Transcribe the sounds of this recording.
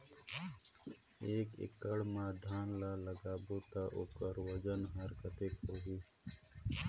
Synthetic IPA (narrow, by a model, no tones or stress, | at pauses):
eːkɪ̰kɐɽmaːd̪ʱaːnlaːlɐɡaːboːt̪aʔoːkɐɾwɐd͡ʒɐnɦɐɾkɐt̪ekɾoɦiː